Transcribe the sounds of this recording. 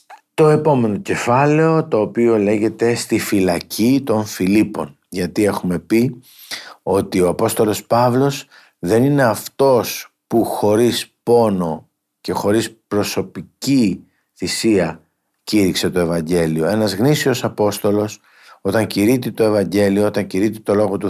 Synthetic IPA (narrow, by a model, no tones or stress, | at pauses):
t̪o̞e̞po̞me̞no̞ce̞fɐle̞o̞t̪o̞ːpio̞le̞ʝe̞t̪e̞st̪ifilɐcʰit̪o̞ɱfilipo̞̰n | ʝɐt̪ie̞xume̞pi | o̞t̪io̞ɐpo̞st̪o̞lo̞spɐvlo̞s | ðe̞nine̞ɐft̪o̞s | puxo̞ɾispo̞no̞ | ce̞xo̞ɾispɾo̞so̞pici | θisiɐ | ciɾikse̞t̪o̞e̞vɐɲɟe̞lio̞e̞nɐzɣnisio̞sɐpo̞st̪o̞lo̞s | o̞t̪ɐɲciɾit̪it̪o̞e̞vɐɲɟe̞lioot̪ɐɲciɾit̪it̪o̞lo̞ɣot̪u